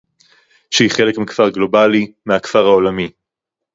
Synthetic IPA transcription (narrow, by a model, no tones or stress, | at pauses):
ʃehiχe̞lekmikfaʁɡlo̞balimeakfaʁaolami